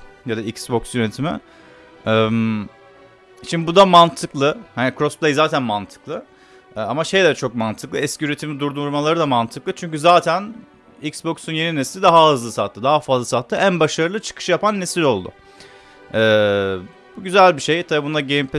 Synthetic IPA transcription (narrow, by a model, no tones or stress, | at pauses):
jad̪aicsboksjøɾet̪ʰimɪ̰ | ɛm | ʃimb̪ibud̪amant̪ʰɯklˠɯhanikʰɾosplʲˠejzaːt̪ʰænmant̪ʰɯ̥klˠɯ | ɛamaʃe̞jd̪ɛt͡ʃʰo̞k̚mant̪ʰɯklˠɯɛsciyɾe̞t̪ʰimid̪uɾd̪uɾmalˠaɾɯd̪amant̪ʰɯklˠɯt͡ʃʰyɲcyzaːt̪ʰæn | icsbo̞ksunje̞ninesilʲid̪aɦaɦɯzlˠɯsat̪ʰːɯd̪aɦafazlˠasat̪ʰːɯʔænbaʃaɾɯlˠɯt͡ʃʰɯ̥kʰɯ̥ʃjapanːesilʲo̞lˠd̪ʊ̰ | ɛː | buɟyzælʲbiʃe̞jt̪ʰabibund̪aɟejimpʰ